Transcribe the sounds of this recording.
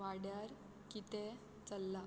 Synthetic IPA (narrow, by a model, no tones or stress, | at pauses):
ʋaɽjaɾ | kit̪e | t͡səlːa